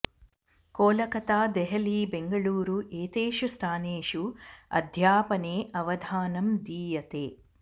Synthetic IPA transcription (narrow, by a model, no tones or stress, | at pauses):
koːlɐkɐt̪aːd̪eɦɐliːbeŋɡɐɭuːɾuʔeːt̪eːʃust̪ʰaːneːʂuɐ̰d̪ʱjaːpɐneːʔɐʋɐd̪ʱaːnɐmd̪iːjɐt̪eː